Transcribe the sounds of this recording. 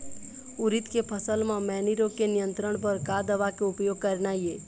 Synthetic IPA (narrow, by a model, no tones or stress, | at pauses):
ʊɾɪt̪kepʰəsəlmãmɛːniɾõkenijə̃nt̪ɾəɽ̃p̬əɾkad̪əʋakeʊpjoːɡ̚kəɾnaːie